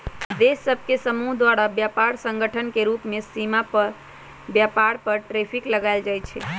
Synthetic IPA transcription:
d̪esːəbʱkesəmuɦd̪waɾabjapaɾsə̃ŋɡəʈʰənkeɾupmesimapəɾ | bjapaɽpəɾʈɾepʰikləɡaɪld͡ʒajt͡ʃʰɛ̰

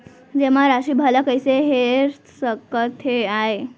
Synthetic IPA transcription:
d͡ʑem̤aɾaɕiːbʱalakəjseɦeɾ | səkət̪ʰɦeaɦe

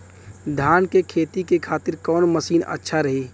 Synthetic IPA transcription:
d̪ʱaːnkekʰeːt̪ikekʰaːt̪ɪɾkɔːnməsiːnə̰tːʃʰaɾɐɦiː

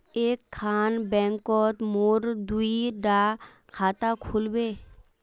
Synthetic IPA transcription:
ekʰːanbɛŋkɔt̪moɾd̪ujɖa | kʰat̪akʰulbe

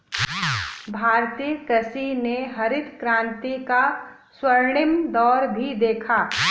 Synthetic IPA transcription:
bʱaːɾt̪iːəkɐsineɦɐɾɪd̪kɾãːnt̪ika | swəɾɳɪmd̪ɔːɾbʱid̪eːkʰaː

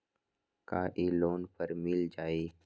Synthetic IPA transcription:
kaːʔiːloːnpəɾmɪld͡ʒaːiː

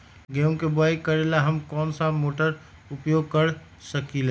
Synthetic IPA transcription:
ɡeũkebaːɪkəɾelaɦəmkɔːnsamoːʈəɾ | ʊpjoːɡ̚kəɾ | səkile

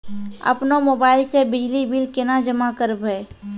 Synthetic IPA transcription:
ɐ̰pnomoːbaːɪlsebɪd͡ʒlibɪlkɪnad͡ʒəmakəɾbəe

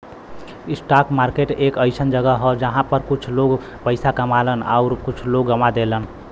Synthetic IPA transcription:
isʈakmaɾkeʈekəɪsənd͡ʒəɡəɦɔd͡ʒəɦãpəɾkut͡ʃʰloɡ | pəɪsakəmaləna̰uɾkut͡ʃʰloɡːəmad̪elən

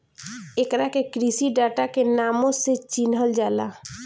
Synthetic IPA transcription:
ekɾakekɾisiɖaːʈakenaːmõset͡ʃinɦəld͡ʒaːlaː

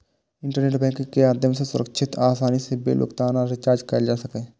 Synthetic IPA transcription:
ɪ̃ɳʈəɾneːʈbɛ̃ːŋkɪ̃kemaːd̪ʱjəmsesʊɾəkʃʰɪt̪aːsaːnisebḛːlo̰kt̪aːnaɾɪt͡ʃaːɾd͡ʒkɐjd͡ʒaːsɐkẽː

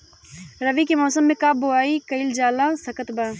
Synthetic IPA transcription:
ɾɐʋikemɔːsəmːẽkaːboaːikɐɪld͡ʒaːlãːsɐkət̪baː

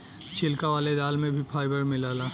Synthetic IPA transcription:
t͡ʃʰɪlkaʋaːled̪aːlmẽbʱipʰaːɪbəɾmɪlaːlaː

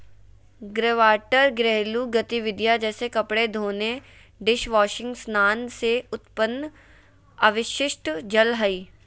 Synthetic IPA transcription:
ɡɾeʋaːʈəɾɡɾɛɦluɡɐt̪iʋɪd̪jad͡ʒɛːsekɐpɽed̪ʱoːne | ɖɪʃʋaːʃɪ̃ŋɡsnaːnseʊt̪pənː | aːʋɪʃɪʃʈd͡ʒɐlɦɐiː

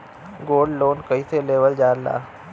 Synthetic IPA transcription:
ɡoːɖloːnkɐiseleːʋəld͡ʒaːɾla̰ː

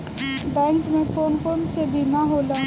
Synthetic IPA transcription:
bɛ̃ːŋkmẽkoːnkonsebʱimaɦoːla

